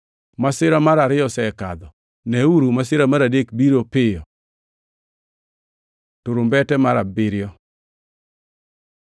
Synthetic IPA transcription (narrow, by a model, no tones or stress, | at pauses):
masɪɾamaɾaɾɪjɔsɛka̰d̪ɔ | nɛuɾumasɪɾamaɾadekbiɾopɪjɔ | toɾombɛtɛmaɾabɪɾɪjɔ